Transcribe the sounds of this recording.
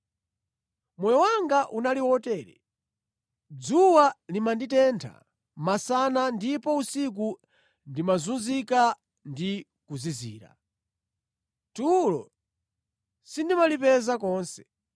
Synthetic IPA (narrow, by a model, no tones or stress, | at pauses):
mwɛjɔwaŋɡaʔunaliwɔtɛːɾɛ̰ | d͡zuwalimanditɛntʰa̰ | masanandipɔusik̬u | ndimazunzika | ndi | kuzizḭːɾa̰ | tulɔ̰ | sindimalipɛzakɔːnsɛ̥